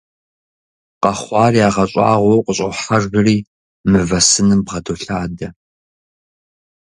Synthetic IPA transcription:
qɐχʷɑːriaːʁɐɕʼɑ̰ːʁʷɔwqʷʼəɕʼɐħaʒbɨriː | mɨvɐsɨnɨmbʁɐdʰoɬaːdɐ

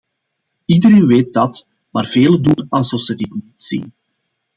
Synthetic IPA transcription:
idəɾeːnʋeːt̚dɑt | maːrv̥eːlədunɑlˠzɔfsədɪtnitsḭn

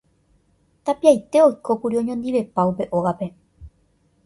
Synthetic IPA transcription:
t̪apiajt̪e̞o̞jko̞puɾiõ̞ɲõnd̪iʋe̞paupe̞ʔo̞ɣape̞

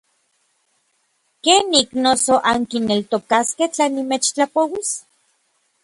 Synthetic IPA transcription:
keːnːiknosoʔaŋkinelt̪okaskeht͡ɬanːimet͡ʃt͡ɬapowis

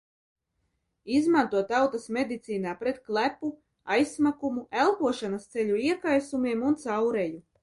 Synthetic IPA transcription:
izmant̪uɔt̪ːawt̪asmʲed̪it̪siːnaːpɾet̪̚klˠæpu | ajsmakumuælˠpuɔʃanast̪seʎʲuiɛkajsumiɛmunt̪sawɾeju

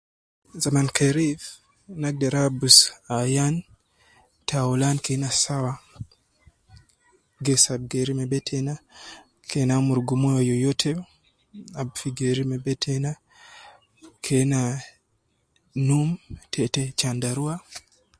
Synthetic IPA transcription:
zamankeɾiv | naɡ̚deɾabusajan | tʰaulankenasawa | ɡɛsab̚ɡeɾimebɛtʰɛna | kʰenamuɾɡumojojɔjɔtʰɛ | abfiɡeɾimebɛtʰena | kʰena | numtʰɛtɛt͡ʃandaɾua

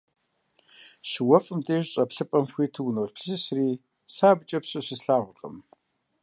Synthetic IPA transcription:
ɕɪwɐfʼɨmtʼeːʑɕʼɐpɬɨpʼɐmxʷiːtʰɨwnoːɮpʰsɨsriː | saːbt͡ʃʼɐpɕʼɐɕɨsɬaːʁʷʊqʼɐ̰m

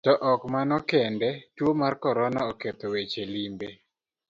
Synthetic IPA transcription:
tɔʔɔkmanɔkɛndɛtwomarkɔɾɔnaɔket̪owet͡ʃelimbe

